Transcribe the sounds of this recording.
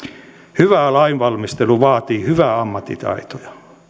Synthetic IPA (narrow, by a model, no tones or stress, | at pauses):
hyʋæˑlɑinʋɑlmist̪eluʋɑːt̪iːhyʋæɑmːɑt̪ːit̪ɑ̰it̪ojɑ